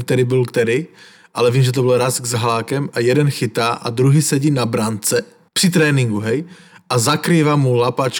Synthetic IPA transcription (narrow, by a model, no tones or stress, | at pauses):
kt̪ɛɾibɪlkt̪ɛɾɪ | ʔalɛviːmʒɛt̪obɪlɾasɡzaɦlaːkɛmajɛdɛnxɪt̪aːʔa̰d̪ɾuɦiːsɛɟiːnabɾant͡sɛ | pr̥ɪt̪̬ɾɛːnɪŋɡuɦɛj | ʔazakɾiːvamulapat͡ʃ